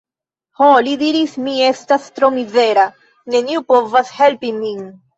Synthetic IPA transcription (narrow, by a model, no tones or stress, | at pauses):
holidiɾismie̞stastɾo̞mize̞ɾa | ne̞niupo̞vashe̞lpimin